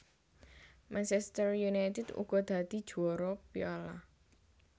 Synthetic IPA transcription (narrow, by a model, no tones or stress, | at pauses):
mant͡ʃɛst̪ərjunajt̪ɛd̪̥ṵɡ̥ɔ̤d̪̥ä̤d̪̥i̤d̥ʒ̥uɔɾɔpiɔla̰